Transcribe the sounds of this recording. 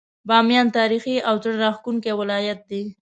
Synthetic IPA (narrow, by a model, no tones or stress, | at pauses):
bɑmjɑnt̪ɑɾixiawt͡səɽɾɑxkuŋkewɪlɑjat̪̚d̪i